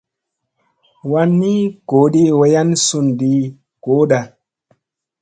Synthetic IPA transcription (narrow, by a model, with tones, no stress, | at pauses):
wa˧nːi˦ko˨˦ɗi˦we˧ja˦nsu˧˨ndi˧˦ | ko˨˦ɗa˨